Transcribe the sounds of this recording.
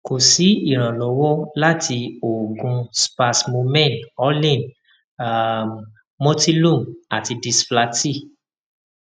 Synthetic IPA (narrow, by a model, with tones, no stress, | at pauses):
ko˨si˨˦i˦˨ɾ̃ã˨lɔ˨˦wɔ˦la˦tʰi˧o˨ɡũ˧spa˧smo˧mɛ̃˦˨nɔ˦lĩ˦˨n˨ | mõ˦ti˦lũ˦˨ma˨ti˧di˧spla˧ti˦˨